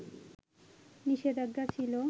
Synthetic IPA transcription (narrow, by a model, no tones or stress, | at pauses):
niʃed̪aɡːat͡ɕʰilo